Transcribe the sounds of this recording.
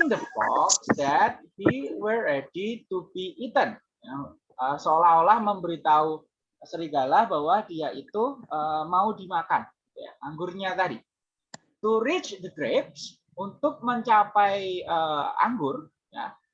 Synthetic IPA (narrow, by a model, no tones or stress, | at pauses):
nd̪ət̪ɔ̰ksd̪ɛt̪̚hiwərːɛdit̪ubiːt̪ən | ja | əsəolaɦolahməmbəɾit̪au | səɾiɡalahbawadiait̪uəmaudimakanɡit̪uja̰ʔaŋɡʊrɲat̪adi | t̪uɾɪt͡ʃdəɡɾep̚s | unt̪ʊk̚məɲt͡ʃapajəa̰ŋɡʊr | ja̰